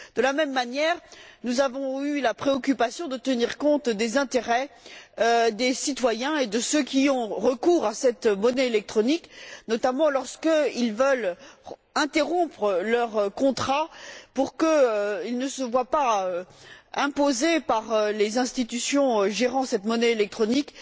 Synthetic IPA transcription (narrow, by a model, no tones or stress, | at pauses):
d̪̥əlamɛmːanjɛːʁnuzavɔ̃ylapχeɔkʲypasjɔ̃d̪ət̪əniʁkɔ̃t̪d̪ezɛ̃t̪eʁɛød̪esit̪wajɛ̃ed̪əsøkʲiɔ̃ʁəkuʁasɛt̪mɔnɛelɛk̚t̪χɔniknɔt̪amɑ̃lɔʁskəilvœl | ɛ̃t̪eʁɔ̃pχəlœʁkɔ̃t̪χapuʁkəøilnəsəvwapaøɛ̃pozepaʁølezɛ̃st̪it̪ysjɔ̃ʒeʁɑ̃sɛt̪mɔnɛelɛk̚t̪χɔnik